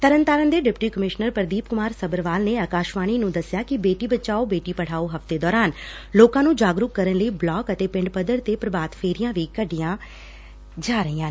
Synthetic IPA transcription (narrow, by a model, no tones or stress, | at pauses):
t̪əɾənt̪aːɾənd̪eːɖɪpʈiːkəmɪʃnəɾpəɾd̪iːp̚kʊmaːɾsəbəɾʋaːlneːəkaːʃʋaːɽ̃iːnũːd̪əsɪjaːkɪbeːʈiːbətːʃaːoːbeːʈiːpəɽ̤aːoːɦəft̪eːd̪ɔːɾaːn | loːkãːnũːd͡ʒaːɡɾʊkːəɾənləiːblɔːkət̪eːpɪ̃ɳɖpəd̪əɾt̪eːpɾəbaːt̪pʰeːɾijãːʋiːkəɖijãː | d͡ʒaːɾəɦiːãː